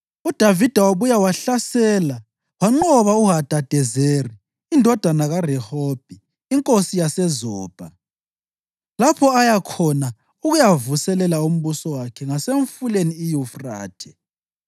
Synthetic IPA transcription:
ud̥ʱavid̥ʱawaβujawaɬasɛːla | waŋ͡ǃɔβauɦad̥ʱad̥ʱɛzeːriː | ndʱɔd̥ʱanaɣarɛhɔb̥̚ʱiː | ŋkʼosijasɛzɔːb̥ʱa | lapʰɔajakʰɔna | uɣujavusɛlɛlaum̩βusɔwakʰɛŋaseɱfuleniːjufra̰ːtʰɛ̥

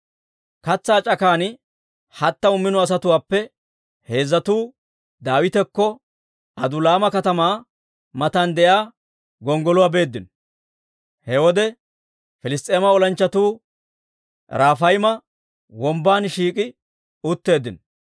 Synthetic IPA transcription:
kɐt͡sːaːt͡ʃʼɐkaːn | hɐt̪ːɐʊmːɪnɔɐs̬ɐt̪ʊwaːpːɛ | he̞ːzːɐt̪uː | d̪aːwɪt̪ɛkːɔ | ɐd̪ʊlaːmɐkɐt̪ɐmaː | mɐt̪ɐnd̪ɛjaː | ɡɔŋɡɔlʊwaːbe̞ːd̪ːɪn | hɛwɔd̪ɛ | fɪlɪst̪ʼe̞ːmɐɔlɐnt͡ʃːɐt̪uː | ɾaːfɐjmɐ | wɔmbaːnʃiːkʼɪ | ʊt̪ːe̞ːd̪ːɪn

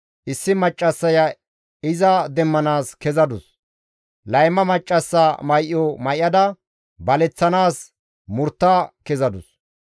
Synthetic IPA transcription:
ʔɪsːɪmɐt͡ʃʼːɐsːɐjɐ | ɪzɐd̪ɛmːɐnaːskɛzɐd̪ʊs | lɐjmɐmɐt͡ʃʼːɐsːaːmɐjʔːɔmɐjɐd̪ɐ | bɐlɛt͡sːɐnaːs | mʊɾt̪ːaːkɛzɐd̪ʊs

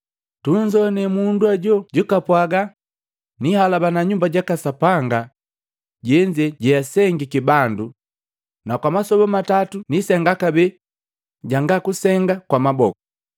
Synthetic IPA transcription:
tuɲd͡ʒɔnɛmunduaɟɔɟukapwaɡa | nihalabanaɲumbaɟakasapaŋɡa | ɟɛɲd͡ʒɛɟɛjasɛŋɡikibandu | nakwamasɔbɔmatatunisɛŋɡakabɛ | ɟaŋɡakusɛŋɡakwamabɔkɔ

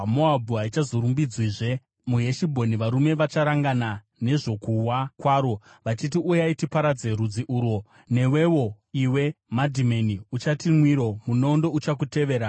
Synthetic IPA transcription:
moabʱuɦait͡ʃazo̞ɾumbid͡zwiʐe̞ | muɦe̞ʃibʱo̞niʋaɾume̞ʋat͡ʃaɾaŋɡana | ne̞ʐo̞kuwakwaːɾo̞ | ʋat͡ʃit̬iujaitipaɾad͡zeɾud͡ziʔuːɾo | ne̞we̞wo̞ | iwe̞madʱimeniut͡ʃatimwiɾo̞munondo̞ut͡ʃak̬ute̞ʋe̞ːɾa

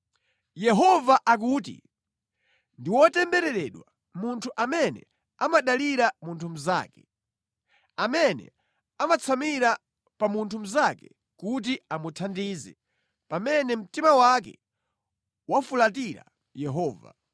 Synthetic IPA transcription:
jɛɦɔvaʔak̬uːt̬ḭ | ndiwɔtɛmbɛɾɛɾɛɗwa | muntʰuʔamɛnɛ̰ | amaɗaliɾamuntʰum̩za̰ːkɛ̥ | amɛnɛ̰ | amat͡sʰamiɾa | pamuntʰum̩zakɛ | kut̬iamutʰandiːzɛ̰ | pamɛnɛm̩timawak̬ɛ̰ | wafulatiɾa̰ | jɛɦɔːva̰

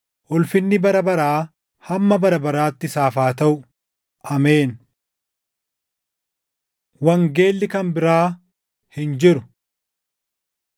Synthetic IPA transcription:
ʔɔlfɪnːɪbɐɾɐbɐɾaː | hɐmːɐbɐɾɐbɐɾaːt̪ːɪsaːfaːt̪ɐʔʊ | ʔɐmeːn | wɐŋɡe̞ːlːɪkɐnbɪɾaː | hɪnd͡ʒɪɾʊ

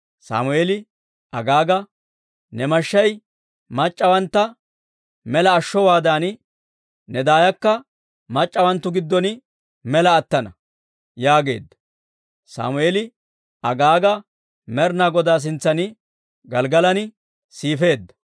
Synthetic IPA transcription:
sa̰ːmʊeːlɪ | ʔɐɡaːɡɐ | nɛmɐʃːɐj | mɐt͡ʃʼːɐwɐnt̪ːɐ | mɛlɐːʃːɔwaːd̪aːnɪ | nɛd̪aːjɐkːɐ | mɐt͡ʃʼːɐwɐnt̪ːʊɡɪd̪ːɔnɪ | mɛlɐːt̪ːɐnɐ | jaːɡe̞̰ːd̪ːɐ̥ | sa̰ːmʊeːlɪ | ɐɡaːɡɐ | mɛɾnaɡɔd̪aːs̬ɪnt͡sːɐnɪ | ɡɐlɡɐlɐnɪ | siːfe̞ːd̪ːɐ̥

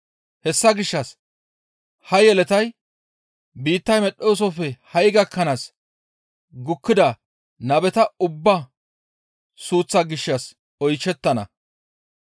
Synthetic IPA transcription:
hɛsːɐɡɪʃːɐs | hɐjɛlɛt̪ɐj | biːt̪ːɐjmɛɗoːs̬ɔfɛhɐjɡɐkːɐnaːs | ɡʊkːɪd̪ɐ | nɐbɛt̪ɐʊbːɐ | suːt͡sːɐɡɪʃːɐs | ɔjt͡ʃːɛt̪ːɐnɐ̰

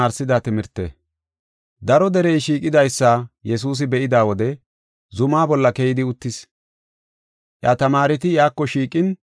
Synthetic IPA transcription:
aːɾsɪd̪at̪ɪmɪɾt̪ːḛ | d̪ɐɾɔd̪ɛɾɛjʃiːkʼɪd̪ɐjsːajɛs̬uːs̬ɪbɛʔɪd̪aːwɔd̪ɛ | zʊmaːbɔlːɐkejɪd̪ɪʊt̪ːɪs | ʔjat̪ɐmaːɾɪt̪ɪjaːkːɔʃiːkʼɪn

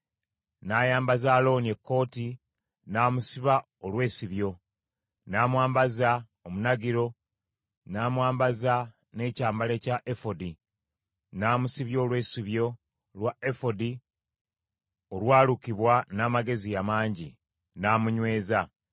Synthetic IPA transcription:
najaːmbazaːlo̞ːnie̞kːo̞ːti | naːmusiβa | olwe̞ːsiβjo̞ | naːmwaːmbaza | omunaɡiɾo̞ | naːmwaːmbaza | ne̞ːcaːmbale̞caʔefodi | naːmusiβjo̞ːlwe̞ːsiβjo̞ | lwaefo̞di | olwaːlukiβwanaːmaɡe̞zijamaːɲɟi | naːmuɲwe̞ːza

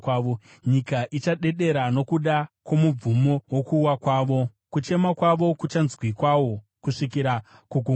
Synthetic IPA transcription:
kwaːʋo | ɲikaʔit͡ʃaɗe̞ɗe̞ɾano̞kuɗakwo̞mub͡vumo̞wokuːwakwaːʋo̞ | kut͡ʃe̞makwaʋo̞kut͡ʃanzwikwawo̞ | kuʂikiɾakuɡʱu

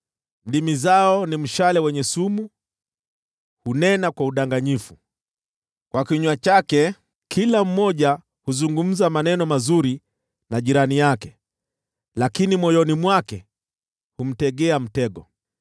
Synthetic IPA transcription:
m̩ɗimizaɔnim̩ʃalɛwɛɲɛsumu | hunɛnakwauɗaŋɡaɲifu | kwakiɲwat͡ʃakɛ | kʰilam̩mɔʄa | huzuŋɡum̩zamanɛnɔmazuɾi | naʄiɾanijakɛ | lakinimɔjɔnimwakɛ | hum̩tɛɠɛam̩tɛɠɔ

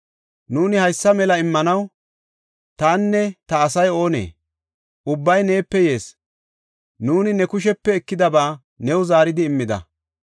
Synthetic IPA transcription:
nuːnɪhɐjsːɐmɛlɐɪmːɐnɐw | t̪aːnːɛt̪ɐːsɐjo̞ːnḛː | ʔʊbːɐjne̞ːpːɛje̞ːs | nuːnɪnɛkʊʃ̬ɛpːɛːkːɪd̪ɐbaː | nɛwzaːɾɪd̪ɪːmːɪd̪ɐ̰

